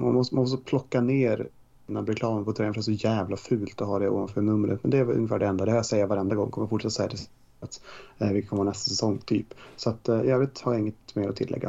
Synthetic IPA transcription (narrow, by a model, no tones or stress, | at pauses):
manmɔsmanɔst̪̬ːɔpʰlɔkːaneːɾ | nːabɾɛkʰlɑːməpʰɔt̪ʰɾɛːənfœɾɛsɔjæːvlafʉ̟ːlt̪ɔɦaɖɛo̰ːvanfœːnɵmːəɾə̰t̪mɛnd̪ɛːɵ̰ŋːəfæːɖɛɛnd̪ad̪ɛhajasɛjːavaɾɛnd̪aɡɔ̰ŋːkʰɔməjafʊʈːʂɛt̪ːasɛjːat̪ʰɪs | at̪vɪkʰɔməhaːnɛst̪asɛsɔŋːt̪ʰy̰ːpsɔat̪jɑːveːt̪haɾjaɪŋːət̪meːɾɔt̪ʰɪlːɛ̰ɡːa̰